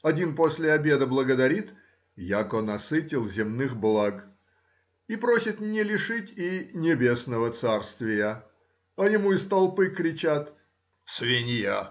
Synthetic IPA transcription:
ɐdʲinposʲlʲɪɐbʲe̞d̪əblˠəɡəd̪ɐɾʲit̪ | jakonɐsɨtʲɪlˠzʲɪmnɨxblˠaɡ | ipɾosʲɪt̪nʲɪlʲɪʂɨtʲinʲɪbʲe̞snəvət̪sarst̪vʲɪjə | ɐjɪmuɪst̪ɐlˠpɨkɾʲɪt͡ɕat̪ | svʲenʲja

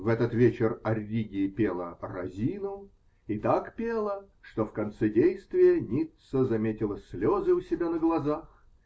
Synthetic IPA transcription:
vɛt̪ət̪vʲet͡ɕɪrɐrʲːiɡʲɪɪpʲelˠərɐ̰zʲinʊ | it̪akpʲelˠə | ʂt̪o̞fkɐnt̪sɛdʲejst̪vʲɪjənʲit̪səzɐmʲetʲɪlˠəsʲlʲozɨʊsʲɪbʲanəɡlˠɐzax

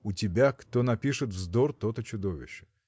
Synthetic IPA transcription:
ʊtʲɪbʲakt̪onɐpʲiʂɨt̪vzd̪ort̪ot̪ət͡ɕʊd̪ovʲɪ̰ɕːɪ̥

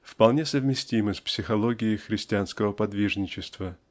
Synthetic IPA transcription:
fpɐlˠnʲesəvmʲɪsʲtʲiməsʲpsʲɪxɐlˠoɡʲɪɪxɾʲɪsʲtʲɪanskəvəpɐd̪vʲiʐnʲɪt͡ɕɪst̪və

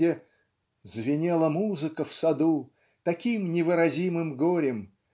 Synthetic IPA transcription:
ɪ | zvʲɪnʲelˠəmuzɨkəfsɐd̪u | t̪ɐkʲimnʲɪvɨɾɐzʲimɨmɡoɾʲɪm

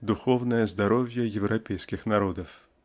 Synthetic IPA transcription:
d̪uxɔwnɐjɛzd̪aɾɔwʲjɐjɛwɾʔapʲɛjskʲixnaɾɔd̪ɐf

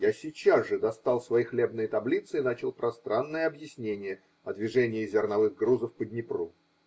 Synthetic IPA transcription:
jasʲit͡ɕazʐɨd̪ɐst̪ɑlˠsvɐjixlʲe̞bnɨjət̪ɐblʲit̪sɨɪnat͡ɕɪlˠpɾʔɐst̪ɾanːɨjəɐbjɪsʲnʲenʲɪjə | ɐd̪vʲɪʐɛnʲɪːzʲɪrnɐvɨɣɡɾuzəfpəd̪ʲnʲɪpɾu

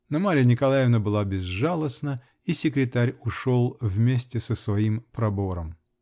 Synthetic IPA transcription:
nɐmaɾʲɪjənʲɪkɐlˠajɪvnəbɨlˠabʲɪzʐalˠəsnə | isʲɪkɾʲɪt̪aɾʲʊʂolˠvmʲesʲtʲɪsəsvɐimpɾɐbo̞ɾəm

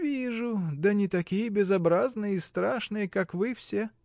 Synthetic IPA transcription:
vʲiʐʊd̪ənʲɪt̪ɐkʲijəbʲɪzɐbɾaznɨjəist̪ɾaʂnɨjəkakvɨfsʲe

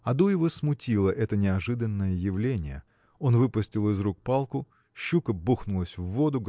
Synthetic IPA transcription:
ɐd̪ujɪvosmʊtʲilˠəʔɛt̪ənʲɪɐʐɨd̪ənːəjəjɪvlʲenʲɪjə̰ | o̞nvɨpʊsʲtʲɪlˠɪzɾuk̚palˠkʊ | ɕːukəbuxnʊlˠəsʲvːod̪ʊɡ

